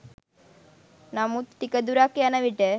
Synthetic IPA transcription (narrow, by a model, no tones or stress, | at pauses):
namut̪ʈikəd̪uɾakjanaʋiʈe